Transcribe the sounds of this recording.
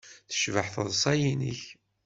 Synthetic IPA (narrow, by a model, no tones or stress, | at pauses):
θə̥ʃvəħθəðˤsˤɑjinḭç